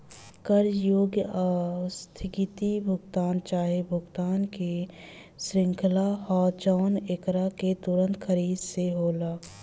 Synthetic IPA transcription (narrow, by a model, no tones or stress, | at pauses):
kəɾjoːɡjəast̪ʰɪkit̪ibʱʊɡt̪aːnt͡ʃaːɦebʱʊɡt̪aːnke | sɾɪ̃ŋkʰlahɔːt͡ʃaːnekɾaket̪ʊɾə̃nt̪kʰəɾiːd̪seɦoːlaː